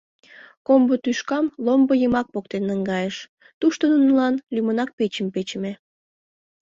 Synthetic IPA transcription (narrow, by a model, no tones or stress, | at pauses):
kombot̪yʃkɑmlombəjəmɑk̚pok̚t̪enəŋɡɑjeʃ | t̪uʃt̪onunəlɑnlʲymənɑk̚pet͡ɕəmpet͡ɕəme